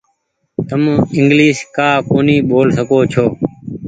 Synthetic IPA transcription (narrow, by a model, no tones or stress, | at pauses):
t̪əmɪŋɡliːʃkaːkoːniːɓoːlsəkoːt͡ʃʰoː